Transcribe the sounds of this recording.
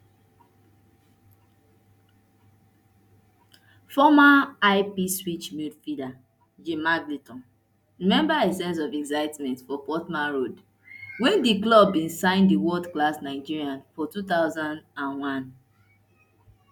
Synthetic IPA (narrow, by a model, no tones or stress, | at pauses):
fɔmaaɪpiswit͡ʃmitfida | d͡ʒemaɡlitɔ̃n | ɹimɛ̃mbaesɛ̃ns̬ɔvɛksaɪtmɛ̃ntfɔpɔtmãnɹod | wɛ̃ndiklɔbːĩnsãɪ̃ndiwɔdklasnaɪd͡ʒiɹiãnfɔtutaʊzãndãnwãn